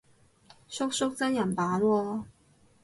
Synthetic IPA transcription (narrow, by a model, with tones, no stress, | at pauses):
sʊ˥k̚sʊ˥k̚t͡sa˥njɐ˨˩npaː˨˥˦lɔ˥˧